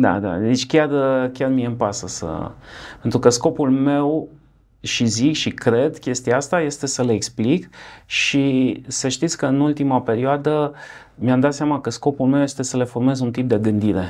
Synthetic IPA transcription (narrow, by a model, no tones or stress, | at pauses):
d̪a̰d̪a̰d̪et͡ʃʲkʲarkʲarmieɨmpasəsə̰pe̞nt̪ɾukəsko̞pulme̞w | ʃizikʃikɾe̞d̪kʲe̞st̪iaast̪aje̞st̪e̞səleeksplikʃisəʃt̪it̪sʲkəɨnult̪imape̞ɾioad̪ə | miamd̪at̪seamakəsko̞pulme̞wje̞st̪e̞səle̞fo̞rme̞zunt̪ip̚d̪e̞ɡɨnd̪iɾe̞